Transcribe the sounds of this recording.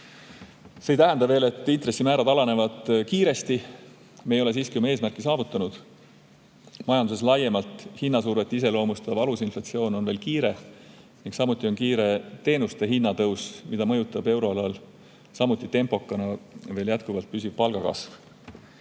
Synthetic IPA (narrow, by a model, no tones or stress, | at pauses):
sejt̪æɦænd̪ɑve̞ːle̞t̪ˑːint̪resːimæːɾɑd̪ɑlɑne̞vɑd̪̥kiːɾe̞st̪i | meejo̞le̞siːskiumɑe̞ːsmærkːˑisɑːvut̪ːˑɑnud̪̥ | mɑjɑnd̪use̞s̬lɑje̞mɑlt̪ˑhinːɑsuːrve̞t̪ːˑise̞lo̞ːmust̪ɑvɑlusinflɑt̪sio̞ːno̞nve̞ːlkiːɾe̞ | niŋksɑmut̪ːˑio̞nkiːɾe̞t̪e̞ːnust̪e̞ɦinːɑt̪ɤwsmid̪̥ɑmɤ̞jut̪ˑːɑbe̞wɾo̞ɑlɑl | sɑmut̪ˑːit̪e̞mpo̞kːˑɑnɑve̞ːljæt̪kuvɑlt̪̚pys̬ʲiv̥pɑlɡ̥ɑkɑ̰sv